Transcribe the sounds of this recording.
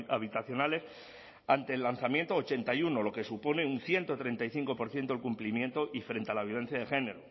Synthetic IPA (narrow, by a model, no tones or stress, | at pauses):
aβit̪aθjo̞nale̞s | ant̪e̞ːlːanθamje̞nt̪oːt͡ʃe̞nt̪ajuno̞lo̞ke̞supo̞ne̞unθje̞nt̪ot̪ɾent̪ajθiŋko̞po̞ɾθje̞nt̪olkumplimjẽ̞nt̪oʔifɾe̞nt̪ealaβjoβe̞n̟θjaðexe̞ne̞ɾu